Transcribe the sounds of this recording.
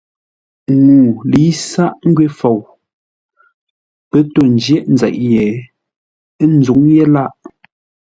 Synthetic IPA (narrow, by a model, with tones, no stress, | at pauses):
ŋuː˨li˨˦sa˦ʔŋ̩˦ɡɥe˦fo˨w | pɛ˦to˦˨n˨d͡ʒjɛ˦˨ʔn̩˦d͡zɛ̰˨ʔjɛ˨˦ | n̩zu˨˦ŋje˦la˦ʔ